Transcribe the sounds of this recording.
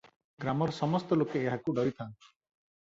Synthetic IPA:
ɡɾamɔɾsɔmɔst̪ɔlokeːɦakuɖɔɾit̪ʰãn̥

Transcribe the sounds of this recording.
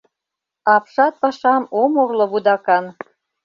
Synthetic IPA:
ɑpʃɑt̪̚pɑʃɑmomurlŏβud̪ɑkɑn

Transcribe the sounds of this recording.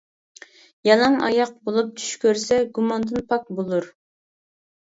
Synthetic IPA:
jɑlˠɑŋɑ̰jɑq̚bolˠup̚t͡ʃʰy̥ʃkʲʰøɾsɛɡumɑnd̪ɨnpʰɑk̚bolˠuɾ

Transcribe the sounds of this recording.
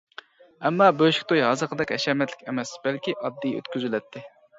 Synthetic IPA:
ɛmːɑːbøʃi̥kʲt̪ʰojɦɑzəqʰəd̪ɛkʲɛʃɛmɛt̪lɪkʲɛmɛsbɛlkʲiʔɑd̪ːijø̰t̪kʲyzylɛt̪ʰːɪ

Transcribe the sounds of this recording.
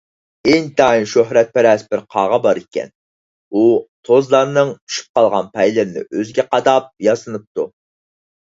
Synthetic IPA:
ɪnt̪ɑnʃøɦɾɛt̪̚pɛɾɛsbɪɾqʰɑ̰ːʁɑbɑɾikʲɛ̰n | ut̪ʰozlˠɑɾnɨŋt͡ʃʰy̥ʃy̥p̚qɑlˠʁɑnpʰɛjlɪɾnɪ̰ʔøzɡʲɛqɑd̪ɑp̚jɑsɨnɨp̚t̪ʰu

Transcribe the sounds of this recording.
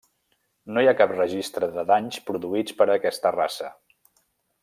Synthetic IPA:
nojakaprəʒist̪ɾəðəðaɲspɾuðuit͡spəɾəkɛst̪əra̰sə

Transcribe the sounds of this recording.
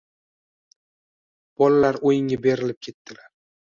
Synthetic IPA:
b̥ɒlalaɾojɪŋabe̞ɾɪlɪp̚kʲʰe̞t̪ːɪlaɾ

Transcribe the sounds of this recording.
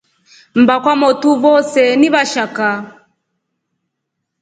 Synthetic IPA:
m̩bakwamɔtuβɔsɛniβaʃaka

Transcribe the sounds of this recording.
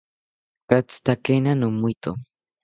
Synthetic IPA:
kat͡st̪akenanumujt̪o

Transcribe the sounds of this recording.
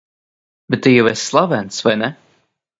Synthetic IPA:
bɛt̪ːɨjawɛsːlˠavɛnt̪svajnɛ

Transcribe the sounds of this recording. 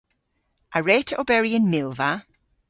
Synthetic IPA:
ʔəɹɛːtʰəʔobɛɹiə̃nmɪlˠva

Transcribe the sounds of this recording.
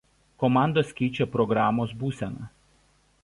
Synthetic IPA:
kɔmɑˑnd̪oːsʲkʲɛɪt͡ʃʲɛˑpɾɔɡɾɑːmoːsbuːsʲɛnɐ

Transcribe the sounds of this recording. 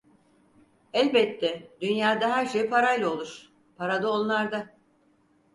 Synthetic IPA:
ɛlʲbɛt̪ʰːɛd̪ynjaːd̪aɦæɾʃejpʰaɾajlˠaolˠuɾ̥ | pʰaɾad̪aonlˠaɾd̪a

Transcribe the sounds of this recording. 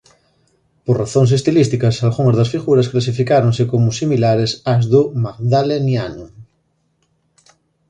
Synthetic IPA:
poɾraθoŋs̬est̪ilist̪ikasalɣoŋazðasfiɣuɾasklas̬ifikaɾoŋsekomʊsimilaɾesazðʊmaɡðalenjano

